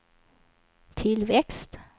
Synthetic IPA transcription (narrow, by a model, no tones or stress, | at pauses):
t̪ʰɪlʋɛkst̪